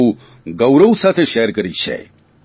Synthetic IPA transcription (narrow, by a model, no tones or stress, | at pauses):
ũ | ɡəwɾəʋusat̪ʰeʃeɦəɾkəɾit͡ʃʰḛ